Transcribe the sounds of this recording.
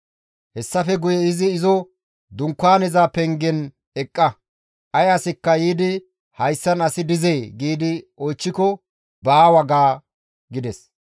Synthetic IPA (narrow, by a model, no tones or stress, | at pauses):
hɛsːɐfɛɡʊjɛɪzɪːzɔ | d̪ʊŋkːaːnɛzaːpɛŋɡɛn | ɛkʼːɐ | ʔɐjɐsɪkːɐjiːd̪ɪ | hɐjsːɐnɐsɪd̪ɪzejɡiːd̪ɪɔjt͡ʃːɪkɔ | baːwɐɡaː | ɡɪd̪ɛs